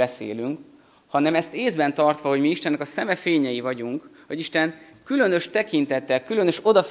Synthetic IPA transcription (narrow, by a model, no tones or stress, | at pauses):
ɛsḛːlyŋk | hɒnɛmɛst̪eːzbɛnt̪ɒrt̪ʋɒɦo̞ɟmiiʃt̪ɛnːɛkɒsɛmɛfeːɲɛjivɒɟuŋkho̞ɟiʃt̪ɛnkylø̞nø̞ʃt̪ɛkint̪ɛt̪ːɛlkylø̞nø̞ʃo̞d̪ɒf